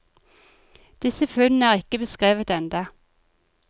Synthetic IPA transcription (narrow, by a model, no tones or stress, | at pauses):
d̪̥ɪsəfʉnn̩æːʁɪkəbəskʁeːʋət̪ɛnd̪ɑ